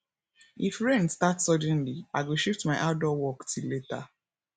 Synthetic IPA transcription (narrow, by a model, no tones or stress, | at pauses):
ifɾẽnstatsɔdɛ̃nliaɡoʃiftmaɪʔaʊdɔwɔktileta